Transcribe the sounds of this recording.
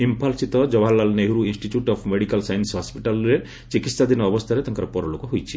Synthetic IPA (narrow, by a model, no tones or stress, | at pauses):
impʰalsit̪ɔd͡ʒɔbʱalːalneɦuɾuinsʈiʈjuʈɔpʰmeɽikalsajensɦɔspiʈalɾe | t͡ʃikit̪sad̪inɔːbɔst̪ʰaɾet̪ɔŋkaɾɔpɔɾɔlokɔɦojt͡ʃʰi